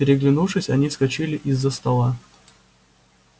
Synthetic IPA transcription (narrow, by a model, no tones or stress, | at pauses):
pʲɪɾʲɪɡlʲɪnuʂɨsʲɐnʲiskɐt͡ɕilʲɪʔɪzːəst̪ɐlˠa